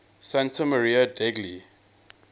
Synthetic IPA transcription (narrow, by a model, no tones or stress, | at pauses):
sãntəməɹiədɛɡli